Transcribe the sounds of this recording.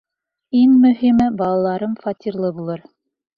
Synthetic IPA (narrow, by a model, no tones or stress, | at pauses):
iŋmɵ̆ɦimɘbɑlˠɑlˠɑɾɤmfɑt̪ʲiɾlˠɤbulˠɤɾ